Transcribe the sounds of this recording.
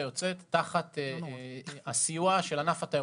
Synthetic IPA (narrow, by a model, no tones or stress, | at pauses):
jo̞t͡set̪ːaχat̪ | asijuaʃelanafat̪a